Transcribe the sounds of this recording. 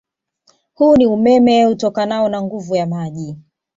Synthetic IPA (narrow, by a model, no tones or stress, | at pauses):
huːniumɛmɛutɔkanaɔnaŋɡuvujamaʄi